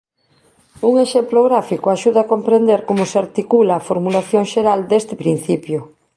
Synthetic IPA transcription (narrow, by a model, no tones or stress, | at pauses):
uŋeʃemploɣɾafikoaʃuðaːkompɾend̪eɾkomʊseaɾt̪ikulaːfoɾmulaθjoŋʃeɾald̪est̪ɪpɾin̟θipjʊ